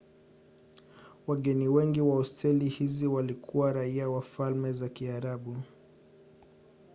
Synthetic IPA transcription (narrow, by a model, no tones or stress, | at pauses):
waɠɛniwɛŋɡiwaɔstɛlihiziwalikʰuwaɾaiawafalmɛzakiaɾaɓu